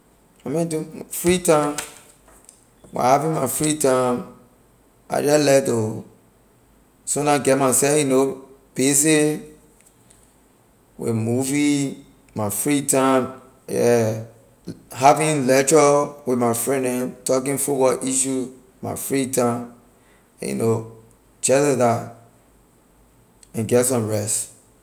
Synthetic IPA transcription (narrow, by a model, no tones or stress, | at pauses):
amɛ̃ntufɹitãm | wa̰havĩnmafɹitãm | a̰d͡ʒalɛto | sõnãɡɛt̚masɛjunob̥ese | wḛmuvi | mafɹitãm | ɛ | ɦavĩnlɛtɔwimaɪfɹɛ̃nɛ̃ntɔk̬ĩnfuwɔʔiʃu | ma̰fɹitãm̰ | jṵno | t͡ʃɛsɛda | ɛ̃nɡɛtsɔ̃mɹɛst